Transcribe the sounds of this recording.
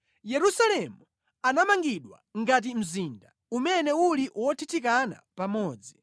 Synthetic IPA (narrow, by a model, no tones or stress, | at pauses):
jɛɾusalɛmu | anamaŋɡiɗwa̰ŋɡat̬im̩zinda | umɛnɛuliʔwɔtʰitʰikana̰pamɔːd͡zi